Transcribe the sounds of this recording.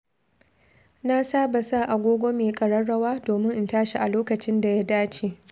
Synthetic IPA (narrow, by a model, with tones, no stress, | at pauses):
na˦saː˦ba˨sa˦˨ʔa˨ɡʷoː˦ɡʷoː˦meː˨kʼɐ˨ɽɐ˦ɽːɐ˦waː˦doː˨mɪ˦ŋʔɪ˦˨ntaː˦ʃi˨ʔa˨loː˦kɐ˨t͡ʃɪ˦nda˨ja˦daː˦t͡ʃeː˨